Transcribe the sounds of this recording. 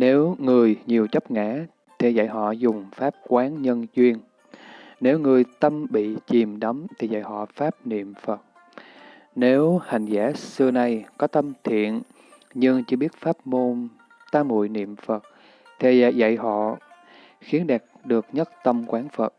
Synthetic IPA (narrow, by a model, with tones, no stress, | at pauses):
ne˨˦wŋɨ˨˩əjɲi˨˩əwt͡ɕə˦˥p̚ŋa̰ː˧˥ | t̪ʰe˨˩za̰˧˨jɦɔ̰˧˨zʊ˨˩ŋ͡mfaː˦˥p̚kwaː˨˦nɲə˧nzwi˧ən | ne˨˦wŋɨ˨˩əjt̪ə˧mɓḭ˧˨t͡ɕi˨˩mɗɔ˨˦mt̪ʰi˨˩za̰˧˨jɦɔ̰˧˨faː˦˥p̚nḭ˧˨əmfə˨˩t̚ | ne˨˦wha˨˩jŋ̟zaː˧˥sɨ˧əna˨˩jkɔ˨˦t̪ə˧mt̪ʰḭ˧˨ən | ɲɨ˧ŋt͡ɕɨ˧ɓi˦˥ət̚faː˦˥p̚mo˧n | t̪aː˧mːṵ˧˨jnḭ˧˨əmfə˨˩t̚ | t̪ʰḛ˨˩˧za̰˧˨jɦɔ̰˧˨ | xi˨˦ənɗa˨˩t̚ɗɨ˨˩ək̚ɲə˦˥t̚t̪ə˧mkwaː˨˦nfə˨˩t̚